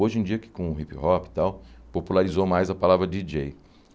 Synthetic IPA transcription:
oʒẽd͡ʒiɐkɪ̥kõʊɦipɪhɔpɪ̥t̪awpopulaɾizomajzɐpalavɾɐd͡ʒid͡ʒej

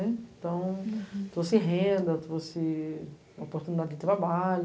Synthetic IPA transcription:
ɛẽt̪ɐ̃w̃t̪osɪɦẽnd̪ɐt̪vosɪ | opoɾt̪unid̪ad͡ʒɪɪd͡ʒ̪ɪt̪ɾabal

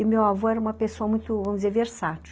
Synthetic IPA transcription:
ɪmewavoɛɾɐũmɐpesoɐmũj̃t̪ʊvɐ̃mʊd͡ʒɪzeɾveɾsat͡ʃ

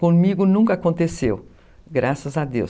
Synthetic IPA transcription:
kõmiɡʊnũŋkɐakõnt̪esew | ɡɾʔasɐzɐd̪ḛw

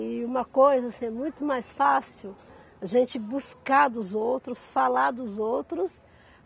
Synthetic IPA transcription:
ɪũmɐkojzɐsĩɛmũj̃t̪ʊmajsfasiw | aʒẽnt͡ʃɪbuskaɾd̪ʊzowt̪ɾʊsfalaɾd̪ʊzowt̪ɾʊs

